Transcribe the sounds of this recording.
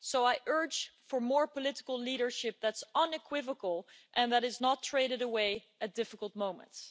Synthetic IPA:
soʊaɪʔɜ̥˞d͡ʒfə˞mɔɹpəlɪɾəkəl̩ˠliɾə˞ʃɪp̚ðætsʌ̃nɨkʰw̥ɪvəkəl̩ˠʔɨ̃nðæɾɨznətʰɹ̥eɪɾɨɾəweɪ | ɨt̚d̥ɪfəkəl̩ˠt̚mõʊ̃mə̰̃nts

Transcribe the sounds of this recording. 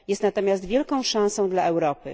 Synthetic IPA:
jɛst̪nat̪ɔmʲjast̪vʲjɛlkɔ̃w̃ʂãw̃sɔ̃w̃d̪laʔɛwɾɔpɘ̰

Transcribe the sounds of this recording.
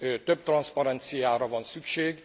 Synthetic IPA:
t̪øb̚t̪rɒnspɒɾɛnt̪sijaːɾɒvɒnsykʃeːɡ

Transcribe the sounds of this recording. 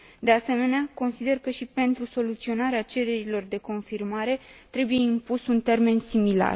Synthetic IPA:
d̪e̞ase̞me̞neako̞nsid̪e̞rkəʃipe̞nt̪ɾuso̞lut̪sio̞naɾeat͡ʃe̞ɾe̞ɾilo̞rd̪e̞ko̞nfirmaɾe̞t̪ɾe̞buje̞impusunt̪e̞rme̞nsimila̰r

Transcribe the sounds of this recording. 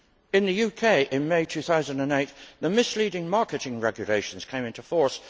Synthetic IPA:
ɨ̃nðɨjʉkʰeɪʔɨ̃nmeɪtʰʉθaʊzə̃ndə̃neɪt̪̚ðɨmɨsliɾɪ̃ŋmɑɹkɨɾɪ̃ŋɹɛɡjɨleɪʃn̩z̥kʰẽɪ̃mɪ̃ntufɔɹs

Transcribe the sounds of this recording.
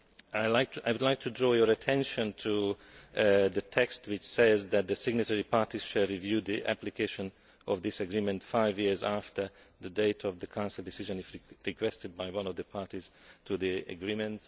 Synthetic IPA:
aɪlaɪk̚aɪwʊdlaɪk̚tʰudɹɔːjə˞ətʰɛ̃nʃə̃ntʰu | ðɨtʰɛkst̚wɪt͡ʃsɛzðæt̪̚ðɨsɪɡ̚nɨtɛɹipʰɑɹtiz̥ʃɨlˠɹivjʉðiʔæ̰plikʰeɪʃə̃n | ʔɔvðɪsəɡɹĩmɨ̃ntfaɪvjiɹzæftʰə˞ðədeɪɾʰɔvðəkʰãʊ̃nsəl̩ˠdɪsɪʒə̃nɨzɹɹikʰwɛstɨd̚baɪwʌ̃nɔvðəpʰɑɹtiz̥tʰuðiə̰ɡɹĩmɨ̃nts

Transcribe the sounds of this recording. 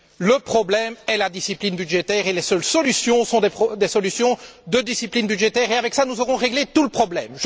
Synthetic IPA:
ləpχɔblɛmɛlad̪isiplinbyd̪ʒet̪ɛːʁelɛsœlsɔlysjɔ̃sɔ̃d̪epχɔd̪ɛsɔlysjɔ̃d̪əd̪isiplinbyd̪ʒet̪ɛːʁeavɛksanuzɔʁɔ̃ʁeɡlet̪uləpχɔblɛ̰mʒ

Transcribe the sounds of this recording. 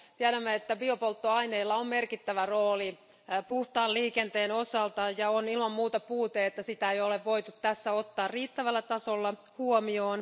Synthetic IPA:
t̪iæɾæmːeet̪ːæbiopolt̪ːoɑineilːɑommerkit̪ːæʋæroːli | puht̪ɑːliːkent̪eːnosɑlt̪ɑjɑonilmɑmmuːt̪ɑpuːt̪eet̪ːæsit̪æeijoleʋʋo̞it̪ut̪t̪æsːæot̪ːɑːrriːt̪ːæʋælːæt̪ɑsolːɑ | huomioːn

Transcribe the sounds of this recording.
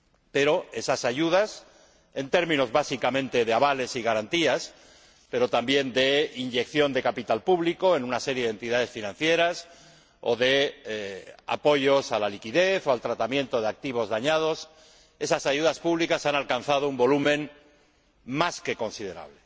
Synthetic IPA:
pe̞ɾo̞e̞sasaʝuð̞as | e̞nt̪e̞ɾmĩno̞zβasikamẽ̞nt̪e̞ðeaβale̞siɣaɾant̪ias | pe̞ɾo̞t̪ambje̞nd̪e̞inʝe̞kθjo̞nd̪e̞kapit̪alpuβliko̞e̞nunase̞ɾjeðe̞nt̪iðaðe̞sfinãn̟θje̞ɾas | o̞̰ðe̞ | a̰po̞ʝo̞salalikiðe̞θo̞alt̪ɾat̪amjẽ̞nt̪o̞ð̞eak̚t̪iβ̞o̞zðaɲað̞o̞s | e̞sasaʝuðaspuβlikasanalkanθað̞oumbo̞lumẽ̞n | maske̞ko̞nsið̞e̞ɾa̰βle̞

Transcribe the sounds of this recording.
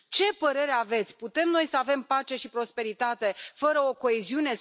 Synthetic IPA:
t͡ʃe̞pəɾe̞ɾe̞ave̞t̪sʲput̪e̞mno̞jsəave̞mpat͡ʃe̞ʃipɾo̞spe̞ɾit̪at̪e̞fəɾəo̞ko̞eziune̞

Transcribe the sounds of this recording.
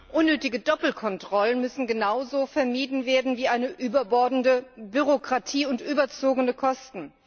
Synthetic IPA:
ʔʊnːøːtɪɡədɔpl̩kʰɔntʁ̥ɔlənmʏsn̩ɡənaʊzoːfɛɐmiːdn̩veːɐdn̩viːʔaɪnəʔyːbɐbɔɐdn̩dəbyʁokʁ̥atʰiːʊntʔyːbɐt͡soːɡənəkʰɔstn̩

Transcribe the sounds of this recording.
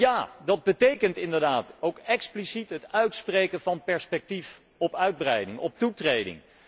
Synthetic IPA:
jaːdɑd̚bətejkəntɪndəɹdaːtowkɛksplisitɦətœɥtsprejkənvɑnpɛɹspɛk̚tif | ɔpœɥd̚brɛjdɪŋɔp̚tutrejdɪ̰ŋ

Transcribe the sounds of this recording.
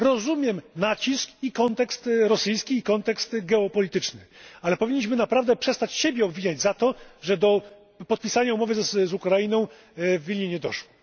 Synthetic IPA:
ɾɔzumʲjɛmnat͡ɕiskikɔnt̪ɛkst̪ɾɔsɘjskʲiːkɔnt̪ɛkst̪ɡɛɔpɔlʲit̪ɘt͡ʂnɘalɛpɔvʲiɲːiɕ̬mɘnapɾavd̪ɛpʂɛst̪at͡ɕɕebʲjɛɔbvʲiɲad͡ʑzat̪ɔʐɛd̪ɔ | pɔt̪̚pʲisaɲaumɔvɘzukɾajinɔ̃w̃ | vʲilʲɲeɲɛd̪ɔ̰ʂwɔ

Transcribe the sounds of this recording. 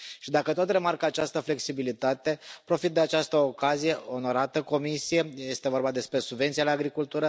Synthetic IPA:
ʃid̪akət̪o̞t̪re̞markəat͡ʃast̪əfle̞ksibilit̪at̪e̞pɾo̞fit̪̚d̪e̞at͡ʃast̪əokazije̞ʔo̞no̞ɾat̪əko̞misije̞je̞st̪e̞vo̞rbad̪e̞spɾesubve̞nt̪sijaleaaɡɾikult̪uɾə

